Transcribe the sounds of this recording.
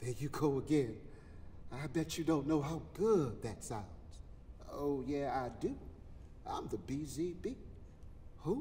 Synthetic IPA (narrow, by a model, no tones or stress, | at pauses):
ðɨjɨɡoʊəɡɛ̃n | aɪbɛt͡ʃɨdõʊ̃nːoʊɦaʊɡʊd̪̚ðɨtsãʊ̃nz̥ | oʊjæaɪdʉ | ʔã̰ɪ̃mðɨbizibɪɡ̚ | ho